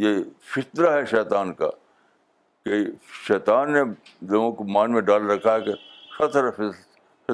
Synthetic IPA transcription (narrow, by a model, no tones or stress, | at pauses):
jefɪt̪ɾaɦɛʃɛːt̪aːnka̰ | keʃɛːt̪aːnːe | loːɡõkomaːnmẽɖaːlɾɐkʰːaɦɛkeʃɐt̪ɾafɪ | fɪ